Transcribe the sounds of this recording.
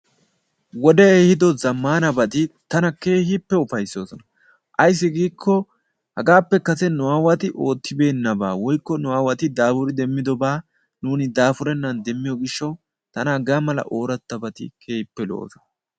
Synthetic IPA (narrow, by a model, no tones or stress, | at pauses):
wɔd̪ɛeːhɪd̪ɔzɐmːaːnɐbɐt̪ɪt̪ɐnɐke̞ːhɪpːɛʊfɐjsːo̞ːsɔnɐ | ʔɐjs̬ːɪɡiːkʰːɔ | hɐɡaːpːɛkɐsɛnʊwaːwɐt̪ɪʔo̞ːt̪ːɪbe̞ːnːɐbaːwɔjkːɔnʊwaːwɐt̪ɪd̪aːfʊɾɪd̪ɛmːɪd̪ɔbaː | nuːnɪd̪aːfʊɾɛnːɐnd̪ɛmːɪjɔɡɪʃːɐw | t̪ɐnɐɐɡaːmɐlɐ̰ʔo̞ːɾɐt̪ːɐbɐt̪ɪ̰kʰe̞ːpːɛlo̰ːsɔnɐ